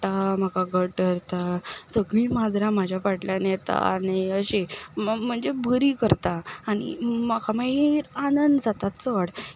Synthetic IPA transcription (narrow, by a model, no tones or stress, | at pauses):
ʈam̤əkaɡəʈəɾt̪asəɡɭĩmad͡zɾãmad͡ʑʱjafaʈljanjet̪a̰aniəɕem̤əɳd͡zebʱəɾiːkəɾt̪aːɽ̃ḭmakʰamaɦiɾanənd̪d͡zat̪at͡səɽ